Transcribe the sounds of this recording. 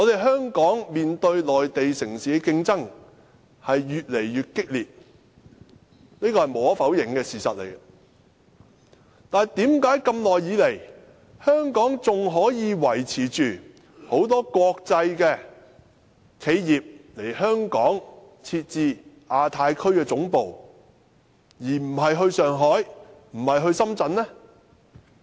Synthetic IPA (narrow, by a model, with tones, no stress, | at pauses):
ŋɔ˨˧t̪e˨jɦœː˥ŋkɔː˨˥ŋmiː˨nt̪ɵ˧ɥlɔː˨jt̪e˨jsɪ˨˩ŋsiː˨˥˧kɪ˧ŋt͡sɐ˥ŋ | hɐ˨jːyː˨t̚le˨˩jɥyː˨t̚kɪ˥k̚liː˨p̚ | niː˥kɔː˧hɐ˨jmo˨˥wɐ˥fɐ˨˥wjɪ˨˩ŋkɛː˧siː˨˩sɐ̰˨t̚lḛ˨˩j | t̪aː˨t̪iː˨˥mkaː˨˥jkɐ˧mlɔː˨jːiː˨˧˥le˨˩j | hœː˥ŋkɔː˨˥ŋt͡sʊ˨ŋɦɔː˨˥jiː˨˧wɐ˨˩jt͡sʰiː˨˩t͡ʃyː˨ | ho˨˥wt̪̬ɔː˥kʷɔː˧k̚t͡sɐ˧jkɛː˧ | kʰe˨˧jːiː˨p̚le˨˩jhœː˥ŋkɔː˨˥ŋ | t͡sʰiː˧t̚t͡siː˧ | aː˧t̪ʰaː˧jkʰɵ˥ɥkɛː˧t͡sʊ˨˥ŋpo˨w | jiː˨˩m̩˨˩ɦɐ˨jɦɵ˧ɥsœː˨ŋɦɔː˨˥jm̩˨˩hɐ˨jɦɵ˧ɥsɐ˥mt͡sɐ˨˥nnɛ˥